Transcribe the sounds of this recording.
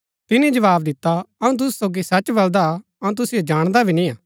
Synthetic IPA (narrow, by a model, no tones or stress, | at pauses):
t̪ɪnĩd͡ʒɐʋaːbd̪ɪt̪ːaɐũt̪̬ʊs̬soːɡisɐt͡ʃːbɐld̪a | ɐũt̪ʊsijod͡ʒaːɽ̃d̪abʱinĩaː